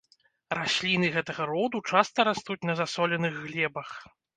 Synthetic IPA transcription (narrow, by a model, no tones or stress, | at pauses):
rasʲlʲinɨɣɛt̪ɐɣɐɾɔd̪ut͡ʂast̪ɐɾast̪ut͡sʲnɐzasɔlʲɛnɨɣːlʲɛbɐx